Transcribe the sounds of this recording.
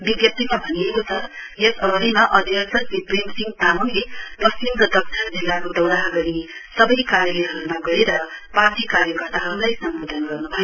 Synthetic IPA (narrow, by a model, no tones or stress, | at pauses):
biɡjʌp̚t̪imabʱʌnijekot͡sʰʌjʌsʌɡʌɾimaʔʌd̪ʱjʌsʌnbipremsiŋt̪amonlepʌslimkʌd̪ʌksʰʌrd͡zilːakod̪ʌwɽaɦʌɡʌɾisʌbʌjkaɾjʌleɦʌɾumaɡʌɾeɾʌpart̪ʰikaɾjʌkʌrt̪aɦʌɾulajsʌmbod̪ʱʌnɡʌrnubʱʌje